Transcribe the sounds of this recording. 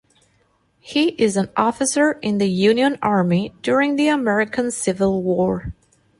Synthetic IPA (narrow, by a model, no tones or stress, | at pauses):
hiʔɪzə̃nɔfɨsə˞ɪ̃nðɨjʉ̃njɨ̃nɑɹmid̥ʊɹɪ̃ŋðiəmɛɹɨkʰə̃nsɪvəlˠwɔɹ